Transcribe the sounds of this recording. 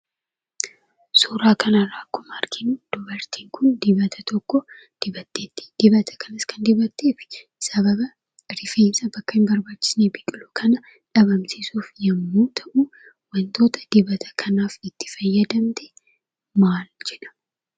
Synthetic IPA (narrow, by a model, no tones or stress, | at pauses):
suɾaːkɐnɐrːaːkːʊmɐːɾkɪnud̪̥ʊbɐɾt̪iːŋkʰʊnd̪ɪbɐt̪ʰɐt̪ɔkːɔ | d̪̥ɪbɐt̪ːeːt̪ːɪ̥d̪̥ɪbɐt̪ʰɐ̥kʰɐnɐskʰɐnd̪ɪbɐt̪ːeːfɪ̥ | sɐbɐbɐ | ɾɪfe̞ːnsɐbɐkːɐɪnbɐɾbaːt͡ʃːɪ̥sneːbɪkʼɪluːkʰɐnɐ | ᶑɐbɐmsɪsuːfjɐmːuːt̪ʰɐʔu | wɐnt̪o̞ːt̪ɐ̥d̪̥ɪbɐt̪ʰɐ̥kʰɐnaːfɪt̪ːɪ̥fɐjːɐd̪ɐmt̪ɛ̥ | maːld͡ʒɛᶑɐ̥